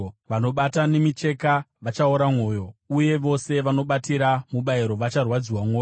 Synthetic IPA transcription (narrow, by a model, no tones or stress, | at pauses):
ʋano̞ɓatanemit͡ʃe̞kaʋat͡ʃaoɾamwo̞ːjo̞uje̞ʋo̞se̞ʋano̞ɓatiɾamuɓaiɾo̞ʋat͡ʃarwad͡ziwamoːj